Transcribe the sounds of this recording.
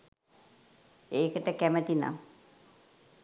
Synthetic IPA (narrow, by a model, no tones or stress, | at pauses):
eːkəʈəkæmət̪ina̰